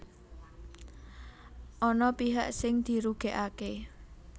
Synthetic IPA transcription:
ʔɔnɔpiɦaʔsɪŋd̪̥i̤ɾuɡ̥e̤ʔake

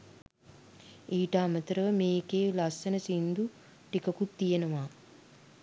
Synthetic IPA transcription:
iːʈaːmət̪əɾəʋəmeːkeːlasənəsind̪u | ʈikɐkut̪ːijenəʋaː

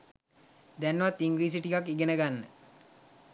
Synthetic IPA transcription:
d̪ænʋat̪ːiŋɡɾiːs̬iʈikakːiɡenəɡanːə

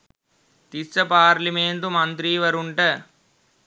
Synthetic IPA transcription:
t̪isːɐpaːɾlimeɳt̪umɐnt̪ɾiːʋɐɾuɳʈɐ

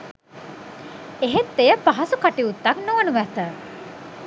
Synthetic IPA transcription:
eɦet̪ːejəpaɦasukaʈiut̪ːaknoʋənuʋæt̪ə

